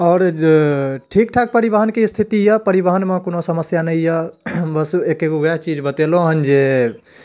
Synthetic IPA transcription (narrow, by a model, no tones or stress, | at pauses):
ɔːɾ | ʈʰik̚ʈʰak̚pəɾibəɦənkest̪ʰit̪ijəpəɾibəɦənmẽkonosəməsjanəjjəbəsuekeɡoɡaɦt͡ʃid͡ʒbət̪elõɦənd͡ʒe